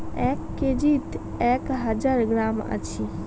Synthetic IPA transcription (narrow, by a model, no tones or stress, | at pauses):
ɛkːed͡ʒit̪ɛkɦəd͡ʒaɾɡɾamə̰t͡ʃʰi